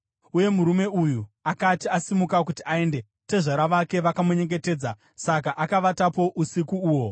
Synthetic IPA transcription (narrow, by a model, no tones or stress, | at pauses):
uje̞muɾume̞ujuakatiasimukak̬utiae̞nde̞ | teʐaɾaʋake̞ʋakamuɲe̞ŋɡe̞te̞ːd͡za | sakaʔakaʋatapo̞ʔusikuuːwo̞